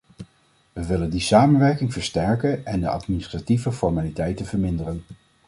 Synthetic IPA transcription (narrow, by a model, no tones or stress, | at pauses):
ʋəʋɪləndisaːmənʋɛɹkɪŋv̥əɹstɛɹkənɛndəʔɑ̰tminɪstrativəfɔɹmaːlitɛjtənvəɹmɪndərən